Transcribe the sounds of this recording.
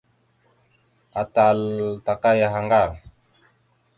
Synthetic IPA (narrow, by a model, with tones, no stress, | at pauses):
a˨ta˨lta˨ka˦ja˨ɦa˨ŋɡa˦˨ɾ